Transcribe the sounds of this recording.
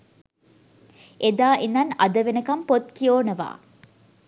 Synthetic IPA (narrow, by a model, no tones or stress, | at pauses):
ʔed̪aːʔinːɐnɐ̰d̪ɐʋenɐkɐmpot̪kijoːnɐʋa̰ː